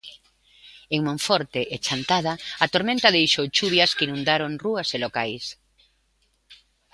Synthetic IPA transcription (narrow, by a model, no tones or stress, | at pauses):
eŋmõɱfɔɾt̪eʔet͡ʃant̪að̞aːt̪oɾmẽnt̪ɐðejʃowt͡ʃuβjɐskinũnd̪aɾoŋruɐselokajs